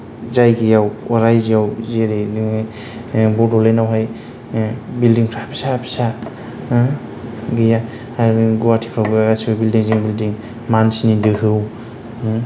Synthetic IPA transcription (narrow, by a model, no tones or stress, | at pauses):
zajɡijawwaɾajzijawzeɾe | bɔdɔlenawɦaj | bildiŋkʰapʰi̥sapʰi̥sa | ɡija | ɡuwatʰi̥kʰɾawbɯaɡasibabildiŋzeŋbildiŋ | mansnidɯɦɯw